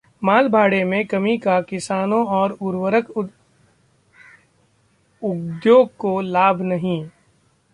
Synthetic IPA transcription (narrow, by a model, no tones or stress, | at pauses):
maːlbʱaːɽemẽkɐmikakɪsaːnõɔːɾʊɾwəɾək | ʊd̪joːɡ̚kolaːbʱnɐɦĩ